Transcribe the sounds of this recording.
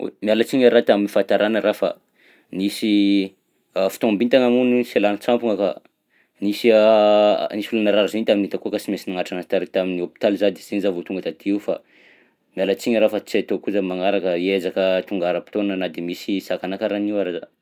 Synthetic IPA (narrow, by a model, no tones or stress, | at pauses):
mialat͡siɲəɾat̪aminifant̪aɾʔanəɾafa̰ | nisi | fi̥t̪ombint̪aŋamuniselanət͡sampuŋaka̰ | nisia̰ | nisulanaɾaɾzint̪aminit̪akukasimesinaŋaʈ͡ʂaŋat̪aɾit̪aminiopi̥t̪alzad̪isenzavot̪uŋɡət̪at̪iiufa̰ | mialat͡siɲəɾafat͡siat̪okuzamaŋaɾakəiezakət̪uŋɡaɾəpi̥t̪onanənad̪emisisakanakaɾaniwaɾaza